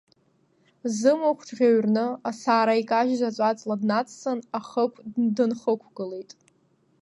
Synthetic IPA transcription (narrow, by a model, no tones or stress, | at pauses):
zɨmokʷʰdʁʲaɥrnɨasaːɾaikʼaʒzʷat͡sʷʼat͡sʼladnat͡sʰʼsɨnaχəkʷʰdɨnχəkʷʰɡɨlejtʼ